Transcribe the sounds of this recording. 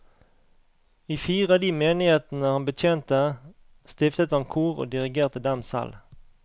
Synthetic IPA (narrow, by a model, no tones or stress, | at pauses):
iːfiːʁəɑːd̪iːmeːnɪheːt̪n̩əhɑnbət̪ʰjeːnt̪ə | st̪ɪft̪ət̪əhɑnkʰuːʁo̰ːd̪ɪʁɪɡeːʁt̪əd̪ɛmsɛ̰l